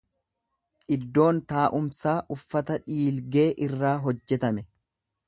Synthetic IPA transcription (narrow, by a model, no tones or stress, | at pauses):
ʔɪd̪ːo̞ːnt̪aːʔʊmsaːʔʊfːɐt̪ɐᶑiːlɡe̞ːʔɪrːaːɦɔd͡ʒːɛt̪ɐmɛ